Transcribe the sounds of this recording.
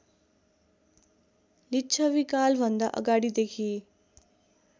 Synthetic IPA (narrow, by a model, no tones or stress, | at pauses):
lit͡ʃʰəʋikalʋɐnd̪aʔə̰ɡaɽid̪ekʰiː